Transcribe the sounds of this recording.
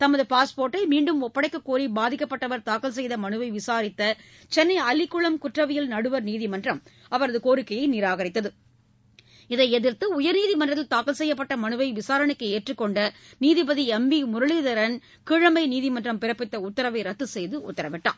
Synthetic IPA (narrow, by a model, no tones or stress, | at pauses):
t̪ɐmɐðɯpaːspoːɾʈːɐɪmiːɳɖɯmɔpːɐɽɐɪkːɐkːuːɾibaːðɪkːɐpːɐʈːɐʋɐɾt̪aːkɐls̬ɛjðɐmɐɳɯʋɐɪʋɪsaːɾɪt̪ːɐ | t͡ʃɛnːɐɪɐlɪkːʊɭɐmkʊʈrɐʋɪjɪlnɐɽɯʋɐɾniːðimɐndrɐm | ɐʋɐɾɐðɯkoːɾɯkːɐjɐɪnɪɾaːɣɐɾɪt̪ːɐðɯ | ɪðɐɪɛðɪɾt̪ɯʊjɐɾniːðimɐndrɐt̪ːɪlt̪aːkɐlsɛjːɐpːɐʈːɐmɐnɯʋɐɪʋɪsaːɾɐɳɯkːɯeːʈrɯkːɔɳɖɐniːðipɐðiɛmbimʊɾɐɭiðɐɾɐn | kɪɻɐmɐɪniːðimɐndrɐmpɪɾɐpːɪt̪ːɐʊt̪ːɐɾɐʋɐɪɾɐt̪ːɯsɛjðɯʊ̰t̪ːɐɾɐʋɪʈːa̰ː